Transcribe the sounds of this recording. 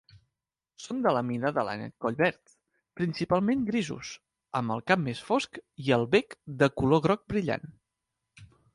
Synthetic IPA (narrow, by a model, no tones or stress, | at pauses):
sond̪ələminəðəla̰nɛ̰t̪̚kɔʎβɛɾt̪ | pɾinsipalˠmenɡɾizṵs | əmbəlˠkamːesfoskiəlˠβɛkd̪əkuloɣɾɔk̚bɾiʎa̰n